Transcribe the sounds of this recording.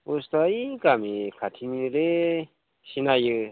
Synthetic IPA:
ust̪aikamikʰatʰimiɾe | sinajɯ

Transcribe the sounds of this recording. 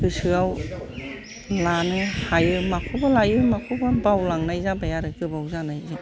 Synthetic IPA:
ɡɯsɯaw | lanɯhajɯmakʰubalajɯmakʰubabawlaŋnajzabajaɾɯɡɯbawzanajzɯ

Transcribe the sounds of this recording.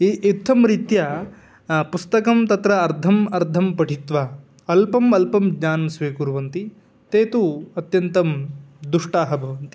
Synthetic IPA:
iʔit̪ʰːɐmɾit̪jɐ | pust̪ɐkɐmt̪ɐt̪ɾɐːɾd̪ʱɐmɐɾd̪ʱɐmpɐʈit̪ʋɐ | ɐlpɐmɐlpɐmd͡ʒɲaːnɐmsʋeːkuɾʋɐnt̪i | t̪eːt̪uɐt̪jɐnt̪ɐmd̪uʂʈaːɦɐbʱɐʋɐnt̪i̥

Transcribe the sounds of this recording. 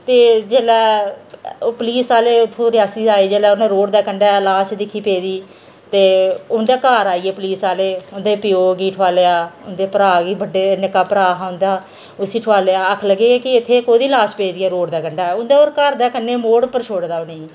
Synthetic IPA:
t̪eːd͡ʒeːlɛː | oːpəliːsaːleːʊt̪ʰːõːɾɪjaːsiːaːeːd͡ʒeːlɛːʊnẽːɾoːɽd̪aːkəɳɖaːlaːʃd̪ɪkʰːiːpeːd̪iː | t̪eːʊnd̪aːkaːɾaːiːeːpəliːsaːleːʊnd̪eːpɪjoːɡiːʈʰʋaːleːaːʊnd̪eːpəɾaːɡiːbəɖeːnɪkaːpəɾaːɦãːʊ̃nd̪aː | ʊsiːʈʰʊʋaːleaːəkʰləɡːeːɛːkɪɪt̪ʰːeːkoːd̪iːlaːspeːd̪iːɛːɾoːɽd̪aːkəɳɖaːɛʊnd̪eːoːɾkəɾd̪aːkənːeːmoːɽpəɾt͡ʃʰoːɽd̪aːʊneː

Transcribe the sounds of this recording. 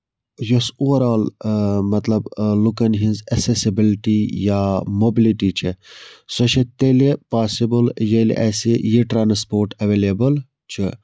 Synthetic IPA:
josuʋɐɾaːlmɐt̪lɐblukɐnɦĩnzɐksesibilʈijamobiliʈit͡ʃʰisoʃet̪elepaːsibəljelḭʔɐsijiʈɾaːnspoːɾʈɐʋelebɐl | t͡ʃʰi

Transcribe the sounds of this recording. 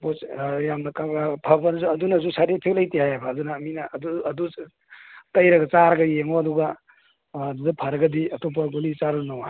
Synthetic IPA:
pojamnɐkapʰɐbɐnzuɐdunɐzusaɾipʰelɐjtihajabɐːdunɐːminɐduɐdu | tɐjɾɐɡɐt͡ʃaɾɐɡɐjeŋoɐduɡɐː | dudɐpʰɐɾɐɡɐdiɐtʰop̬ɐɡolit͡ʃaɾɐnawa

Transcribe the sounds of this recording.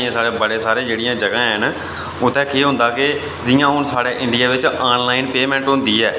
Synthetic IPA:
ẽːsaːɽeːbəɽeːsaːɾẽːd͡ʒeːɽɪjãːd͡ʒəɡãːɦən | ʊt̪ʰːɛ̃ːkʰeːɦʊ̃nd̪aːkɪ | zɪjãːɦʊnsaːɽeːʔɪɳɖɪjaːʋɪt͡ʃaːnlaːɪnpeːmɛ̃ːɳʈɦʊ̃nd̪iːɛː

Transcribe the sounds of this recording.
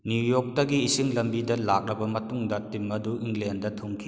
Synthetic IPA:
njujok̚tɐɡiːsiŋlɐmbidɐlak̚ɾɐbɐmɐtuŋdɐtimːɐduʔiŋlendɐtʰoŋkʰi̥

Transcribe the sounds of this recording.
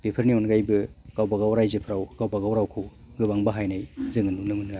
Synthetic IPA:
b̥epʰɐɾnionɡajbɯɡ̥awbaɡawɾajzɯpʰɾawɡ̥awbaɡawɾawkʰɯw | ɡɯbaŋbaɦajnajzɯŋɯnunɯmɯnɡa

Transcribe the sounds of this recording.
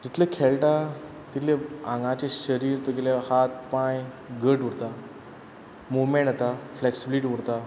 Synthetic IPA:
t̪it̪ʰləkʰeɭʈa | t̪it̪leãŋɡãt͡ɕeɕəɾiːɾt̪əɡelahat̪̚paj | ɡəʈuɽt̪a | mumẽɳat̪afleksibiliʈiuɽt̪a

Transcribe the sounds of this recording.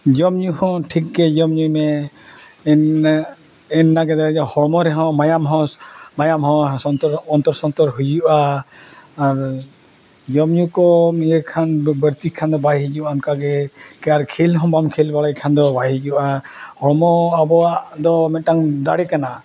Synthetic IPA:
d͡ʒɔmɲuhɔ̃ʈʰik̚ɡɛd͡ʒɔmɲujmɛ | n | ɛnːaɡɛd̪aɛd͡ʒɔhɔmɔɾɛɦɔ̃majamɦɔ̃majamɦɔ̃ɔt̪ɔɾɔnt̪ɔɾsɔnt̪ɔɾɦud͡ʒuʔaː | ɾ | d͡ʒɔmɲukɔmjɛkʰanbəɾt̪ikʰand̪ɔbajɦid͡ʒuʔankaɡɛkɛaɾkʰilɦɔ̃bamkʰilbaɽajkʰand̪ɔbajid͡ʒuʔahɔɽmɔabɔwaʔd̪ɔmɛʈaŋd̪a̰ɽɛkana

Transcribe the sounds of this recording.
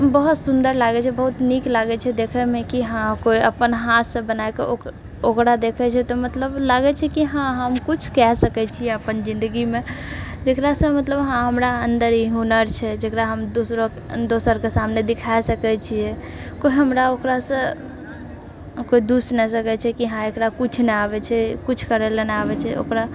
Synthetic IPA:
ɦəmbəɦut̪sund̪əɾlaɡɛt͡ʃʰɛbəɦut̪niklaɡɛt͡ʃʰɛd̪ekʰɛmekiɦãkoiəpənɦat̪ʰsə̃bənaekeo | okɾad̪ekʰɛt͡ʃʰɛt̪ɔmət̪ləblaɡɛt͡ʃʰɛkiɦãɦəmkut͡ʃʰkɛsəkɛt͡ʃʰijɛəpənd͡ʒĩnd̪əɡimed͡ʒekɾasə̃mət̪ləbɦãɦəmɾaənd̪əɾiɦunəɾt͡ʃʰɛd͡ʒekɾaɦəmd̪osɾo | d̪osəɾkesamned̪ikʰaesəkɛt͡ʃʰijɛ | koiɦəmɾaokɾasə̃ | koid̪usnɛsəkɛt͡ʃʰɛkiɦãekɾakut͡ʃʰnɛabɛt͡ʃʰɛkut͡ʃʰkəɾɛlenabɛt͡ʃʰɛo̰kɾa

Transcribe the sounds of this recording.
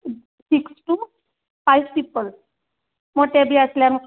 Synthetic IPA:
siksʈu | fajspipəl | moʈabʱiːəsljan

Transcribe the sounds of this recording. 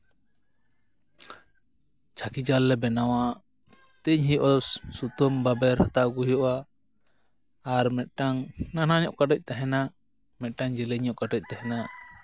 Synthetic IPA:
t͡ʃʰakid͡ʒalːɛbɛnawa | t̪ɛɲɦijɔʔɔsut̪ɔmbabɛɾhat̪aʔɡuɦjɔʔa | ɾmɛt̪̚ˀʈaŋnanaɲɔʔkaʈɛc̚ˀt̪aɦɛna | mɛt̪̚ˀʈaŋd͡ʒɛlɛɲɔʔkaʈɛc̚ˀt̪aɦɛna

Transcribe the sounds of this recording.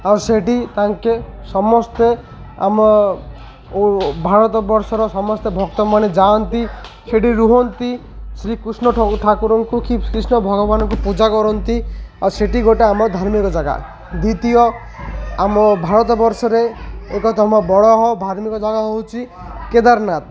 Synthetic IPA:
aɾseʈit̪aŋkesɔmɔst̪e | a̰mɔ | bʱaɾɔt̪ɔbɔɾsɔɾɔsɔmɔst̪ebʱɔk̚t̪ɔmaned͡ʒant̪i | seʈiɾuɦɔnt̪i | sɾikɾusnɔʈʰakuɾɔŋkukikɾisnɔbʱɔɡɔbanɔkupud͡ʒakɔɾɔnt̪iaseʈiɡoʈeamɔd̪ʱaɾmikɔd͡ʒaɡa̰ | d̪it̪ijɔ | amɔbʱaɾɔt̪ɔbɔɾsɔɾeekɔt̪ɔmɔbɔɽɔɦɔb̪ʱaɾmikɔd͡ʒaɡaɦowt͡ʃʰi | ked̪aɾnat̪̚

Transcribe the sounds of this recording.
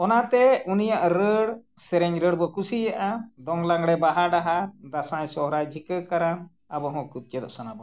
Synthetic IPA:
ɔnat̪ɛunijaʔɾəɽsɛɾɛɲɾəɽbɔkusijaʔad̪ɔŋlaŋɽɛbaɦaɖaɦad̪asajsɔɦɾajd͡ʒʱikəkaɾan | abɔɦɔ̃kud̪̚kɛd̪ɔ̰ʔsanabɔ

